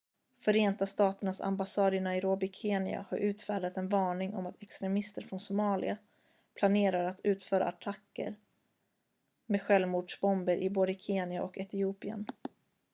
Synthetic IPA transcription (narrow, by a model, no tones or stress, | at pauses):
fœɾeːnt̪ast̪ɑːt̪əɳasa̰mbasɑːd̪əɳaɪɾoːbɪkʰeːnɪ̰a̰haɾʔʉ̟ːt̪fæːɖat̪ɛnvɑːɳɪŋɔ̰mat̪ʰɛkst̪ɾɛmɪst̪əɾfɾɔnsʊmɑːlɪ̰a | pʰlaneːɾaɾat̪ʰʉ̟ːt̪fœːɾa̰at̪ʰakːə̰ɾ | meːd̪ɧɛlvmuːɖʂbɔmbəɾʔɪboːd̪əkʰeːnɪaʔɔkɛt̪ɪuːpɪə̰n